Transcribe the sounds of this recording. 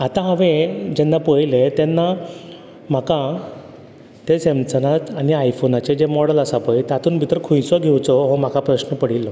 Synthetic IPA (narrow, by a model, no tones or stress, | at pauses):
at̪ãɦãʋẽd͡ʑɛnːapəjlet̪ɛnːa | m̤aka | t̪esemt͡sənat̪aɽ̃iajfonat͡ɕed͡ʑemɔɽəlasapəjt̪at̪ʰuːnbʱit̪ɾəkʰũjsɔɡʱewt͡sɔɦɔm̤akapɾəɕnəpəɽ̤ilːɔ